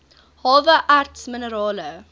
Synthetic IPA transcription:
hɑːvəʔartsmɪnəɾɑːlə

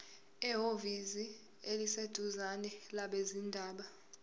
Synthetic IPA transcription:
ɛɦovizi | elised̥ʱuzanɛlaɓezindʱaːɓa

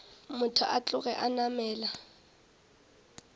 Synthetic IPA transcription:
mʊtʰʊʔat͡ɬʼʊɣɛʔanamɛːla

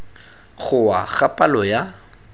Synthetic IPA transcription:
χʊwaɣapʼalɔja

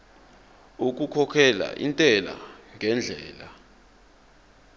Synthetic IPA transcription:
uk̬ʼukʰɔkʰɛla̰ʔḭntʼɛla̰ŋʱɛnd͡ɮʱɛːla

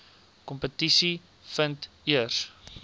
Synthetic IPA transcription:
kɔmpətisi | fənt | iərs

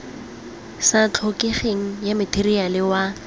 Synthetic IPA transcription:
sat͡ɬʰokeχeŋ̩jamɪtʰerialɪwa

